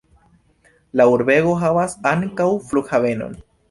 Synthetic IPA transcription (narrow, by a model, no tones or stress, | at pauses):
lauɾbe̞ɡo̞ɦavasaŋkawflukhave̞no̞̰n